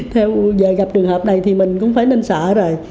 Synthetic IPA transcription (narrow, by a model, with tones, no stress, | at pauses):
t̪ʰɛ˧wzəː˨˩ɣa˨˩p̚t͡ɕɨ˨˩əŋhəː˨˩p̚na˨˩jt̪ʰi˨˩mï˨˩ŋ̟kʊ̰˧˥ŋ͡mfaː˧˩˦jne˧nsəː˧˩zoː˨˩j